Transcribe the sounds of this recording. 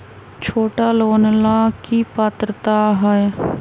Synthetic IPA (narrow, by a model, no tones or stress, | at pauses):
t͡ʃʰoːʈaːloːnlakipaːt̪ɾət̪aɦəe